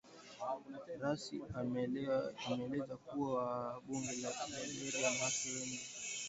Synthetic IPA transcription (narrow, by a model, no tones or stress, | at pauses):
ɾasi | amɛːlɛzakuwaɓuŋɡɛlakiaɓɛɾijamasɔwɛŋɡi